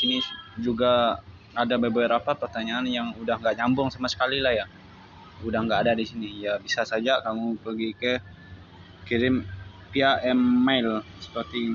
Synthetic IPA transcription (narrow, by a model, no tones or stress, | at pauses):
sinid͡ʒuɡaː | dababɛɾapat̪̚pərt̪aɲaːnjaŋudahŋɡaʔɲambʊŋsamasə̥kalilahja | udahŋɡaʔadadisinijabisasad͡ʒakamupərɡikɛ | kiɾɪm | piaʔɛmːajlsə̥pərt̪i